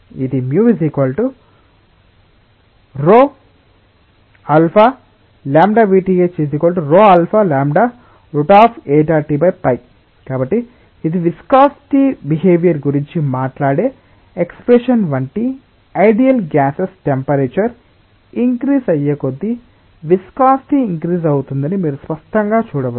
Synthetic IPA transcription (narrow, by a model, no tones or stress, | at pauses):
id̪imjuːʋisikɐːlʈu | ɾoː | ɐlpʰa | laːmɖaːʋiːʈiɡet͡ʃis̬ikɐːlʈuɾoːɐlpʰaːlaːmɖaː | ɾuʈaːpʰeːʈaːʈibɐjpɐj | kaːbɐʈːiː | d̪iʋiskaːst̪ibiɦeːʋjɐɾɡuɾiɲt͡ʃimaːʈlaːɽeː | ekspɾeʂɐnʋɐɳʈi | ɐjɖijɐlɡaːsesʈempɐɾeːt͡ʃɐɾ | iŋkɾiːsɐjːekod̪ːi | ʋiskaːst̪iiŋkɾiːsɐwut̪und̪ɐnimiːɾuspɐsʈɐŋɡaːt͡ʃuːɽɐʋɐ